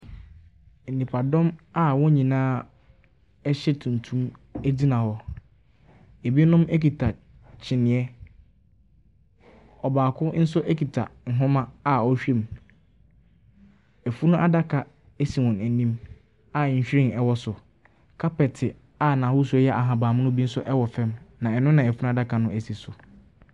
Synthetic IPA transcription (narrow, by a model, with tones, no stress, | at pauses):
n̩˨nĩ˨pʰa˨dɔ̃˦ma˦wɔ̃˦ɲĩ˨nãː˦ | ɛ˦ɕɛ˦tʰũ˨n˨tʰũ˦mæ˦di˦nã˨hɔ˦ | e˨bi˦nʊ̃˦me˦ki˨tʰa˨ | t͡ɕʰɪ˨nɪ̃˨ɛ˦ | ɔ˨baː˨kʰʊ˦n̩˦sʊ˦ʔɛ˦kʰi˨tʰa̰˨ŋ̩˨ɦʊ̃˦mã˦a˨ɔ˦ɕᶣe˦˨m | ɛ˨fu˦nʊ̃˦ʔa˦da˦kʰa˨ | e˦si˨wɔ̃˨næ˨nĩ˦m | a˨ɲ̩˨ɕᶣɾɪ̃˨nɛ˨wɔ˦sʊ˨ | kʰa˦pɛ˨tʰɪ˨ | a˨nã˨hʊ˦s̬ɛ˦jɛ˦ʔa˨ɦã˨baː˨mʊ̃˦nʊ̃˦bi˦n̩˦sʊ˦ʔɛ˦wɔ˨fɛ̃˦mnã˨ɛ˨nʊ̃˦nã˨ɛ˨fu˦nʊ̃˦a˦da˦kʰa˨nʊ̃˦ʔæ˨si˨sʊ˨